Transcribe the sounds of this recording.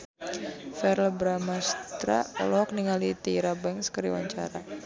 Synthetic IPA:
fɛrlbɾamast̪ɾa̰lɔɔk̚niŋalit̪iɾabɛŋskəɾḭwa̰ɲt͡ʃa̰ɾa

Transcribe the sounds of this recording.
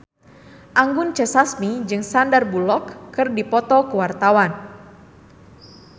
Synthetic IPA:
ʔaŋɡʊnt͡ʃəsasmid͡ʒɨŋsandarbulɔkːɨrdipɔt̪ɔkəwart̪awan

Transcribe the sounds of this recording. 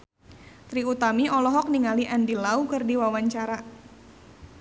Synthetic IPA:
t̪ɾiut̪amiɔlɔɦɔk̚niŋaliʔandilaukɨrdiwawaɲt͡ʃaɾa

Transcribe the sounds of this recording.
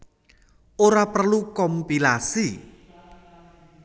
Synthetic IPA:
ʔoɾapərlukɔmpilasi

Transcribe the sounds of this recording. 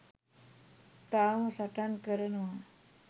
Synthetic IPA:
t̪amsaʈankəɾənʋa

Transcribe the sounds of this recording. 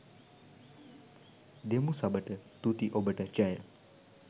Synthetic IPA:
d̪emusabəʈət̪ut̪iʔobəʈət͡ʃajə

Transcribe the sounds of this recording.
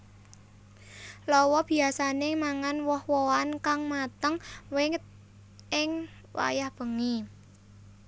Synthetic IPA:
lɔwɔb̥i̤asanemaŋanwɔhwɔankaŋmat̪əŋwɪŋ̚ | ɪŋ | wa̰jahb̥ə̤ŋi

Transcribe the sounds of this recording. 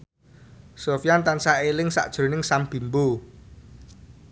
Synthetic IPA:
sofjant̪ansaelɪŋsa̰ʔd̥ʒ̥o̤nɪŋsamb̥i̤mbu

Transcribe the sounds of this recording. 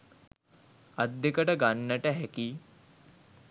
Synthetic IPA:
ɐd̪ːekəʈəɡanːəʈəɦɛki

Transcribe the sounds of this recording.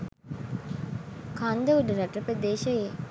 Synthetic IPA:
kand̪əʋuɖəɾaʈəpəd̪eːʃɐje

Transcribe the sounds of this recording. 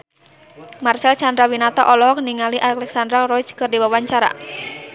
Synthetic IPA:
marsɛlt͡ʃandɾawinat̪ɔʔɔlɔɦɔk̚niŋaliʔaklɛksandɾarɔt͡ʃkɨrdiwawaɲt͡ʃaɾa̰

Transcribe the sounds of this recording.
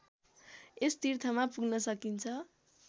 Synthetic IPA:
est̪irt̪ʰʌmapuɡnʌsʌkint͡sʰʌ

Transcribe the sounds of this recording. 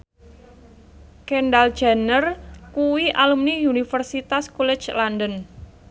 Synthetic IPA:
kɛnɖald̥ʒ̥a̤nərkuwiʔalumniunifərsit̪askulɛ̥t͡ʃlandən

